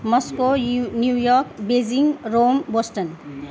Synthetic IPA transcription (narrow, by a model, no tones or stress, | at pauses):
mɔskonjujɔɾkbed͡ʒiŋɡɾombosʈən